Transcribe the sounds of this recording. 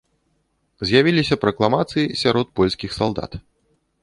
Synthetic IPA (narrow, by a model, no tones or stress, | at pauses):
zʲjavʲilʲisʲɐpɾɐklˠamat̪sɨjisʲaɾɔt̪̚pɔlʲsʲkʲixsalˠd̪a̰t̪